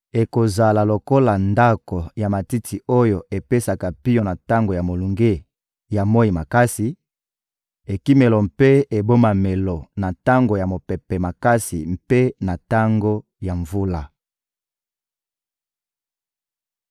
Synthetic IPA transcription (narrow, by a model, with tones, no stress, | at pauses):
e˨ko˨za˨la˨lo˨ko˦la˨nda˦ko˨ja˨ma˨ti˦tʰi˨o˦jo˨ʔe˨pe˦sa˨ka˨pi˦jo˦na˨ta˦ŋɡo˨ja˨mo˨lu˨ŋɡe˦ | ja˨mo˦ji˨ma˨ka˦si˨ | e˨ki˦me˨lɔ˨mpe˦e˨bo˦ma˨me˨lɔ˨na˨ta˦ŋɡo˨ja˨mo˨pɛ˨pɛ˨ma˨ka˦sḭ˨mpe˦na˨ta˦ŋɡo˦ | ja˨ɱvu˦la˨